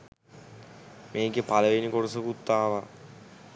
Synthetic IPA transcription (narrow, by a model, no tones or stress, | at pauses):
mʔeːkepaləʋenikoɽəsəkut̪ːaːʋa